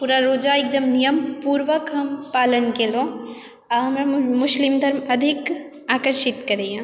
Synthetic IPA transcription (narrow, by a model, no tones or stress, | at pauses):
puːɾaɾoːd͡ʒaeːk̚d̪ɐmnijəmpuːɾʋəkɦɐmpaːlənkeːlõ | aɦɐmɾamʊʃlimd̪ʱɐɾmɐd̪ʱik | aːkəɾʃɪt̪kɐɾeːjã